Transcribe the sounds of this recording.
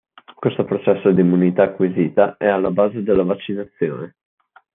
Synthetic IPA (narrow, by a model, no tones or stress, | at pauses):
kwest̪opɾot͡ʃɛsːod̪imːunit̪akːwiziːt̪aɛalːabaːzed̪elːavat͡ʃːinat̪sːjo̰ːne